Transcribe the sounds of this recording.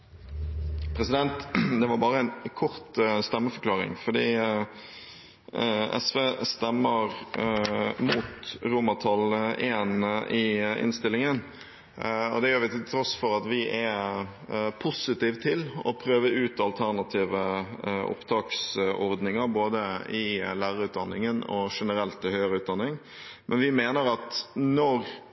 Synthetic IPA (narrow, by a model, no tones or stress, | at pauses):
pʰɾɛsɪd̪ɛnt̪d̪ɛʋɑɾbɑːɾəɛnkʰɔɾt̪st̪ɛmːəfɔʁklɑːʁɪ̰ŋfɔd̪ḭː | ʔɛ̰sʋeːst̪ɛmːəɾ | muːt̪ɾuːmɑt̪ʰɑlʔeːnɪɪ̰nst̪ɪlːɪŋən | ɔd̪ɛjøːɾʋɪt̪ʰɪlt̪ʰɾɔsfɔɾɑt̪ʋɪʔæ | pʰʊsɪt̪iːʋt̪ʰːɪlɔpʰɾøːʋəʉːt̪ɑlt̪ʰæɾnɑt̪ʰiːʋəʔɔ̰pt̪ʰɑːksɔɾd̪nɪŋəɾboːd̪əɪlæːɾəɾʉːt̪̚d̪ɑnːɪŋənɔ̰ʂɛnəɾɛlt̪ːɪlhœʏəɾəʉːt̪̚d̪ɑnːɪŋ | mʔɛnʋɪmeːnəɾɑt̪nɔɾ